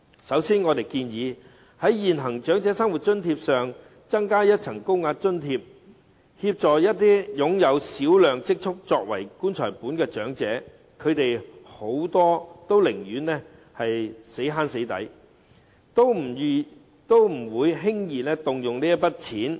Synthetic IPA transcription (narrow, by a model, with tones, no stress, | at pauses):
sɐ˨˥wsiː˥nŋɔː˨˧t̪e˨jkiː˧njiː˨˧ | hɐ˨˥jjiː˨nɦɐ˨˩ŋt͡ʃœː˨˥ŋt͡sɛː˨˥sɐ˥ŋwu˨t̚t͡ʃɵ˥nt̪ʰi˧p̚sœː˨ŋ | t͡sɐ˥ŋkaː˥jɐ˥t̚t͡sʰɐ˨˩ŋkʊ˥wŋaː˧t̚t͡ʃɵ˥nt̪ʰiː˧p̚ | hi˧p̚t͡sɔː˨jɐ˥t̚t̪iː˥jʊ˨˧ŋjɐ˨˧wsiː˨˥wlœː˨ŋt͡sɪ˥k̚t͡ʃʰʊ˥k̚t͡sɔː˧k̚wɐ̰˨˩jkuː˥nt͡ʃʰɔ̰ː˨˩jpuː˨˥nkɛː˧t͡ʃœː˨˥ŋt͡sɛː˨˥ | kʰɵ˨˧ɥt̪e˨jho˨˥wt̪ɔː˥t̪o˥wlɪ˨˩ŋɥyː˨˥nːɛː˥ | hɐ˨jse˨˥ɦaː˥nse˨˥jt̪ɐ̰˨˥j | t̪o˥w | t̪o˥wm̩˨˩wuː˨˧jɦɪ˥ŋjiː˨nɛː˥t̪ʊ˨ŋjʊ˨ŋliː˥jɐ˥pɐ˥t̚t͡sʰiː˨˥n